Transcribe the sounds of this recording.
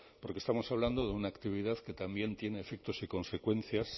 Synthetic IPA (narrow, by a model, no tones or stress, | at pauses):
po̞ɾkest̪amo̞saβ̞land̪o̞ðeunaːkt̪iβ̞iðaðke̞t̪ambje̞nt̪je̞ne̞ːfe̞k̚t̪o̞siko̞nse̞kwe̞n̟θjas